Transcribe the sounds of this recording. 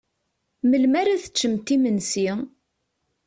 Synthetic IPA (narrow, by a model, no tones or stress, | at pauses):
məlmaɾaθə̥t͡ʃːəmt̪imənsi